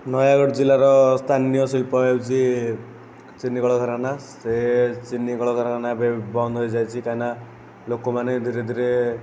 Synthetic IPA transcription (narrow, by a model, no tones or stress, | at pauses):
nɔjaɡɔɽd͡ʒilaɾɔst̪ʰanijɔsilpɔɦet͡ʃʰi | t͡ʃinːikɔɭɔɡʱɔɾanaset͡ʃinːikɔɭɔɡʱɔɾaanabebɔnd̪ʱɦojd͡ʒajt͡ʃʰikaina | lokɔmaned̪ʱiɾed̪ʱiɾe